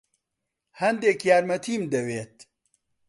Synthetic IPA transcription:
hɐnd̪eːkjaːɾmɐt̪ʰiːmd̪ɐweːt̪

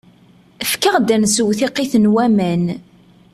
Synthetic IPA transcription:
əfkəʁd̪ænsəwθiqːɪθənwæmæn

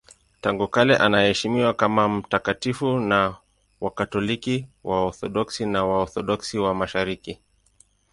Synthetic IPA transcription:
taŋɡukalɛʔanahɛʃimiwakamam̩takatifuna | wakatɔlikiwʔaɔθɔɗɔksinawaɔθɔɗɔksiwamaʃaɾiki

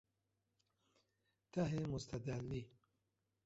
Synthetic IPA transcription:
t̪aɦemʊst̪ad̪ali

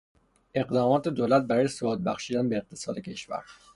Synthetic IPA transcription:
ʔe̞ɢd̪ɒːmɒːt̪ʰed̪oːlæt̪̚bæɾɒːjesoud̪̚bæ̰xʃiːd̪ænbeːq̚t̪ʰesɒ̰ːd̪e̞kcʰe̞ʃvæ̰ɾ

